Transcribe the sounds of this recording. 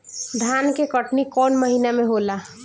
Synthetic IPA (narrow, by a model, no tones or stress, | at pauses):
d̪ʱankekəʈnikɔːnməɦinamẽɦola